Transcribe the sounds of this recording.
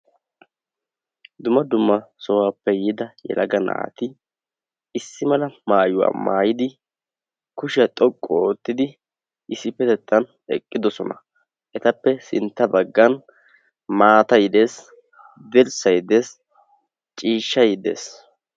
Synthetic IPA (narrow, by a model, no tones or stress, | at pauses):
d̪ʊmɐd̪ʊmːɐsɔwaːpːɛjɪd̪ɐjɛ̰lɐɡɐna̰ːt̪ɪ | ɪsːɪmɐlɐmaːjʊwa̰ːmaːjɪd̪ɪ | kʊʃɪɐt̪ʼɔkʼːɔoːt̪ːɪd̪ɪ | ʔɪsɪpːɛt̪ɛt̪ːɐn | ɛ̰kʼːɪd̪ɔsɔnɐ | ʔɛt̪ɐpːɛsɪnt̪ːɐbɐɡːɐn | maːt̪ɐjɪd̪e̞ːs | d̪ɛɾsɐjd̪e̞ːs | t͡ʃʼiːʃːɐjɪd̪e̞̰ːs